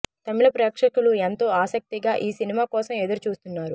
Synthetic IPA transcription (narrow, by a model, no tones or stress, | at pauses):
t̪ɐmilɐpɾeːkʂɐkuluent̪o̞ːaːsɐk̚t̪iɡaːʔiːsinimaːkɔːsɐmed̪uɾut͡ʃuːst̪unːaːɾu